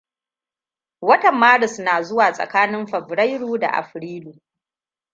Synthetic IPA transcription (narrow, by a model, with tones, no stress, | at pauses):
wɐ˦tɐ˨mːaː˦ɾɪ˨snaː˨zʊ˦waː˨sʼɐ̰˨kaː˦nɪ˦mɸɐ˨bɾɐ˦jɽuː˦da̰˨ʔa̰˨ɸɾiː˦luː˨